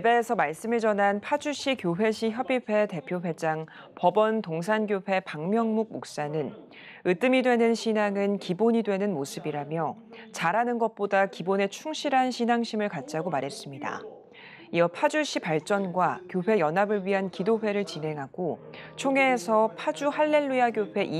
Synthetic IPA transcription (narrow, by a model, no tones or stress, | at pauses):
ebe̞ːsʰʌmaɭs͈ɯmɯɭt͡ɕʌnɦanpʰad͡ʑuɕ͈ʰikjoɸe̞ɕʰiçjʌbiɸe̞te̞pʰjoɸe̞d͡ʑaŋ | pʌbʌntoŋs̬ʰanɡjoɸe̞paŋmjʌŋmuɡ̚mok̚s͈anɯn | ɯt͈ɯmidwe̞nɯnɕʰinaŋɯnkiboɲidwe̞nɯnmosʰɯbiɾamjʌ | t͡ɕaɾanɯnɡʌt̚p͈odakibone̞t͡ɕʰuŋɕʰiɾɦanɕʰinaŋɕʰimɯɭkat̚t͡ɕ͈aɡomaɾɦe̞s͈ɯmɲida̰ | ijʌpʰad͡ʑuɕ͈ʰipaɭt͡ɕ͈ʌnɡwakjoɸe̞jʌnɦabɯɭɥiɦankidoɸe̞ɾɯɭt͡ɕinɦe̞ŋɦaɡ̥ot͡ɕʰoŋe̞ːsʰʌpʰad͡ʑuhaɭːe̞ɭːujaɡjoɸe̞ʔi